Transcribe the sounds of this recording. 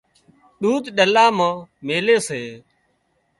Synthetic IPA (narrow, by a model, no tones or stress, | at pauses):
ɗuːd̪ɗəlaːmãːmeːleːseː